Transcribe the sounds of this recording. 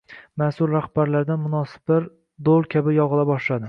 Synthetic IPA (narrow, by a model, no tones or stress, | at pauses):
masʊɾɾahb̥aɾlaɾd̪anmʊnɒsɪ̥baɾ | d̪olˠkʲʰabɪjɒʁɨlˠabɒʃlad̪ɪ